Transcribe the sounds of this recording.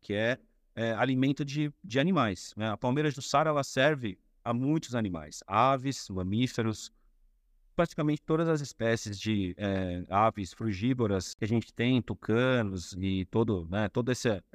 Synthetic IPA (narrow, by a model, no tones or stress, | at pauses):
kʰɪɛ | ɛalimẽnt̪ʊd͡ʒɪd͡ʒɪanimajsnɛɐpawmejɾɐzd̪ʊsaɾɛlɐsɛɾvɪ | ɐmũj̃t̪ʊzanĩma̰jsavɪsmɐ̃mifeɾʊs | pɾat͡ʃi̥kamẽnt͡ʃɪ̥t̪od̪ɐzɐzɪspɛsɪzd͡ʒɪɛavɪsfɾuʒiboɾɐskɪɐʒẽnt͡ʃɪ̥t̪ẽj̃t̪okʰɐ̃nʊzɪt̪od̪ʊnɛt̪od̪ʊesɪ